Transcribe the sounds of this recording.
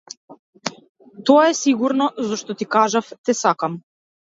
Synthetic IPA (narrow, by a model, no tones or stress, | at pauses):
t̪ɔaɛsiɡuɾnɔzɔʃt̪ɔt̪ikaʒaft̪ɛsakam